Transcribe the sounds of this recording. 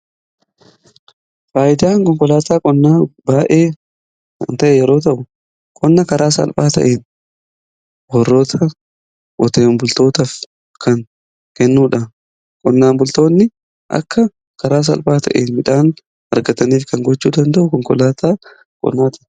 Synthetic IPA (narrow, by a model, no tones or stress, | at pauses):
faːjɪd̪aːŋkʼɔŋkʼɔlaːt̪aːkʼɔnːaːbaːʔeː | ɐnt̪ɐʔɛjɛɾo̞ːt̪̬ɐʔʊ | kʼɔnːɐkɐɾaːsɐ̰lpʼaːt̪ɐ̰ʔeːn | bɔrːo̞ːt̪ʰɐ | ɔt̪eːmbʊlt̪o̞ːt̪ɐf | kɐŋ | kɛnːuːᶑɐ | kʼɔnːaːmbʊlt̪o̞ːnːɪ | ʔɐ̰kːɐ | kʰɐɾaːs̬ɐ̰lpʼaːt̪ʰɐ̰ʔḛːnmɪᶑaːn | hɐ̰ɾɡɐt̪ɐniːfkɐŋɡɔt͡ʃːuːd̪ɐnd̪ɐʔʊkɔŋkɔlaːt̪aː | kʼɔ̰nːaːt̪ɐ